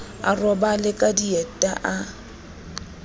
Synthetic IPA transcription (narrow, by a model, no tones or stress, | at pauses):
a̰rɔbalɪkʼadiɛtʼaʔa